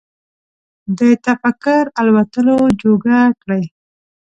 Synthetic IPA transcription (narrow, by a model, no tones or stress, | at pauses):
d̪ət̪afakaɾalwat̪əlod͡ʒoɡakɽəj